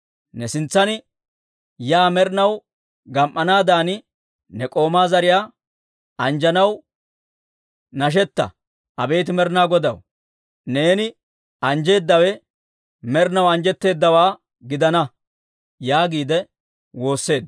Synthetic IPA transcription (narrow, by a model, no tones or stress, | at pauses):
nɛsɪnt͡sːɐnɪ | jaːmɛɾnɐw | ɡɐmʔːɐnaːd̪aːnɪ | nɛkʼo̞ːmaːzɐɾɪjaː | ɐnd͡ʒɐnɐw | nɐʃ̬ɛt̪ːɐ̰ | ʔɐbe̞ːt̪ɪmɛɾnaːɡɔd̪ɐ̰w | ne̞ːnɪ | ɐnd͡ʒe̞ːd̪ːɐwɛ | mɛɾɪnɐwɐnd͡ʒɛt̪ːe̞ːd̪ːɐwaː | ɡɪd̪ɐnɐ | jaːɡiːd̪ɛ | wo̞ːsːe̞ːd̪